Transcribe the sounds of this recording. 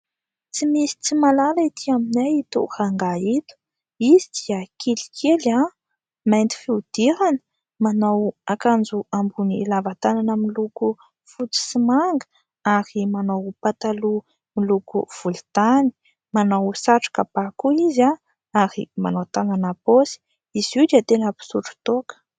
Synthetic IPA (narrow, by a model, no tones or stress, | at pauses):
t͡simisi̥t͡simalalait̪ʰiaminajt̪ṵʔhaŋɡait̪u̥ | izid̪̥iəkʰilikʰela | majnt̪i̥fiud̪̥iɾanə̥ | manawakand͡zuambunilavat̪ananəmiluku | fut͡si̥simaŋɡə̥ | aɾimanawpat̪alu | milukuv̥ult̪ani̥ | manawsaʈ͡ʂḁkab̥akuiza | aɾḭmanawt̪ananaposi̥ | iz̥id̪iat̪enəpi̥suʈ͡ʂu̥t̪okə̥